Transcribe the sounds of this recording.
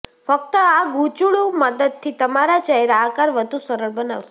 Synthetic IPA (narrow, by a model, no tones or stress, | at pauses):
fək̚t̪əaɡũt͡ʃuɭuməd̪əd̪̚t̪ʰit̪əmaɾat͡ʃəeɾakaɾʋəd̪ʱusəɾəɭbənaʋʃe